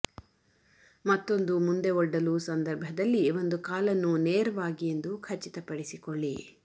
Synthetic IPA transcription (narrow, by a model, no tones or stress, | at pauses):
mɐt̪ːo̞nd̪umund̪e̞ɔɖːɐluːsɐnd̪ɐɾbʱɐd̪ɐlːiʋo̞nd̪ukaːlɐnːuneːɾɐʋaːɡije̞nd̪ukʰɐt͡ʃːit̪ɐpɐɽisikoɭːi